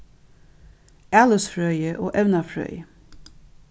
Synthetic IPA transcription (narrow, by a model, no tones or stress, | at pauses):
æːləsfɹœʏəʔo̰ːʔɛʋnɑfɹœ̰ʏə